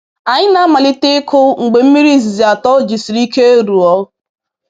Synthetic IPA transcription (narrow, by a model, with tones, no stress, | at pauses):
a˨ɲɪ˦na˦ma˨lɪ˦te˦kʰʊ˦ŋ̩˨ɡ͡be˨m̩˦mi˦ɾi˦zi˨zi˨a˨tɔ˦d͡ʒi˨si˨ɾi˦ke˦e˦ɾu˨ɔ˦